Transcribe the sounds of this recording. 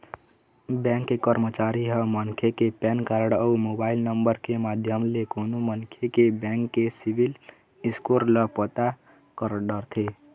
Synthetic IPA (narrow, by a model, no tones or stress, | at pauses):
bɛ̃ŋkːekəɾmət͡ʃaɾiɦəmənkʰekepɛnkaɾəɽəumobaːɪlnəmbəɾkemad̪ʱjəmlekonomənkʰekebɛ̃ŋkːesiʋil | iskoɾləpət̪a | kəɾɖəɾt̪ʰe